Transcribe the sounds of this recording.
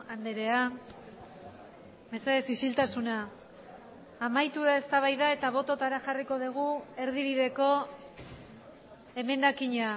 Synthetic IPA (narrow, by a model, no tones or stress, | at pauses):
and̪eɾe̞a | be̞saesisilt̪asuna | majt̪uaest̪aβ̞ajðae̞t̪aβ̞o̞t̪o̞t̪aɾaʝariko̞ðeɣ̞ue̞ɾðiβiðe̞ko̞ | e̞me̞nd̪akiɲa